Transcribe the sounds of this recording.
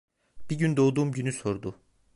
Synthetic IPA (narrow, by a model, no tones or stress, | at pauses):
b̥iɟynd̪oːd̪uːmɟynyso̞ɾd̪ʊ